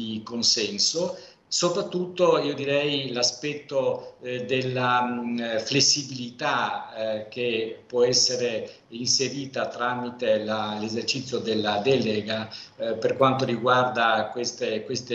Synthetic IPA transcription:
ikonsɛnso | sopɾat̪ːut̪ːoiːod̪iɾɛjlaspɛt̪ːod̪elːa | flesːibilit̪a | k̟epwɔɛsːeɾe | inseɾiːt̪at̪ɾamit̪elalezert͡ʃit̪sːjod̪elːad̪ɛleɡaperkwant̪oriɡward̪akwest̪ekwest̪e

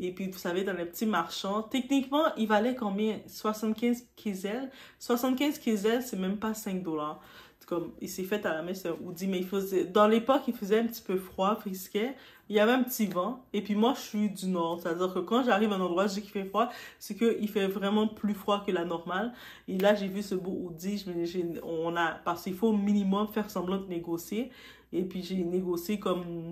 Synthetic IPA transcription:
epɥivusaved̪ɑ̃lɛpət̪imaʁʃɑ̃t̪ɛknikmɑ̃ʔilvalɛkɑ̃bjɛ̃swasɑ̃t̪kʲɛ̃zkʲʰezɛl | swasɑ̃t̪kʲɛ̃zkʲezɛlsɛmɛ̃mpasɛ̃k̚d̪ɔlaːʁ | kɔmilsɛfɛt̪alamɛzɔʁud̪imɛilfəzɛd̪ɑ̃lepɔkilfəzɛɛ̃pt̪i̥pøfχwafʁiskʲɛ | iljavɛɛ̃pət̪ivɑ̃epɥimwaʒəʃɥid̪ynɔːʁset̪ad̪iːʁkəkɑ̃ʒaʁivɛ̃nɑ̃d̪ʁwazeki̥fɛfχwasɛkəʔilfɛvʁɛmɑ̃plyfχwakəlanɔʁmal | elaʒevysəboʔud̪iʒmɛʒeɔ̃napaʁskilfominimɔmfɛʁsɑ̃blɑ̃d̪əneɡɔsjeː | pɥiʒeneɡɔsjekɔm

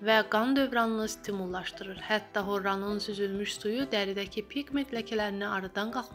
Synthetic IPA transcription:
væɡɑnd̪ø̞vɾɑnɯnɯst̪ʰimulˠːɑʃdt̪ɯɾɯɾhæt̪ːɑɦo̞ɾːɑnɯnsyzylmyʃsujud̪æɾid̪æcʰipʰiɡmet̪ʰlæcʰælæɾiniɑɾɑd̪ɑnɡɑlˠχmɑ

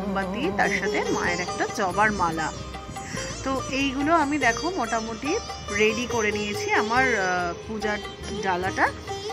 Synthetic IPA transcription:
bat̪iet̪aɾʃat̪ʰema̰eɾɛkʈad͡ʑɔbaɾmala̰ | t̪oʔejɡuloamid̪ɛkʰomɔʈamot̪iɾeɖikoɾenijet͡ɕʰiamaɾpud͡ʑa | ɖalaʈa

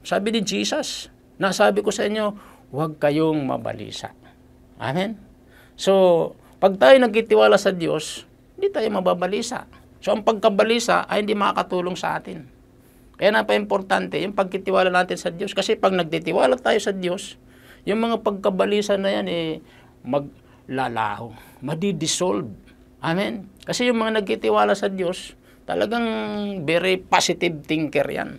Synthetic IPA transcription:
saːbɪnɪd͡ʒiːsas | nasaːbɪko̞sɐʔɪɲːo̞ | waɡ̚kɐjoŋmɐ̰bɐ̰lḭːsa̰ | ʔa̰mɛn | so | pɐɡ̚t̪aːjonɐɡ̚k̪ːit̪ɪwaːlasɐd̪jo̞̰s | hɪnd̪ɪt̪aːjomɐbabɐliːsa̰ | so̞ʔɐŋpɐɡ̚kɐbɐlisa̰ʔɐ̰jhɪnd̪imɐa̰kɐt̪uːloŋsɐ̰ʔa̰ːt̪ɪn | kɐjaːnapɐʔɪmpoɾt̪ant̪ɛjʊŋpɐɡ̚kit̪ɪwaːlanaːt̪ɪnsɐd̪jo̞skɐsɛpɐɡ̚nɐɡ̚t̪it̪ɪwaːlat̪aːjo̞sɐd̪jo̞s | jʊŋmɐŋapɐɡ̚kɐbɐliːsanɐjanɛ | mɐɡ̚ | lala̰ːho | mɐd̪id̪ɪsolb̚ | ʔamɪnkɐsɛjʊŋmɐŋanɐɡ̚k̪it̪ɪwaːlasɐd̪jo̞s | t̪ɐ̰lʔɐ̰ɡaŋbɛɾɪpasɪt̪ɪb̚t̪ɪŋkɛ̰ɾja̰n

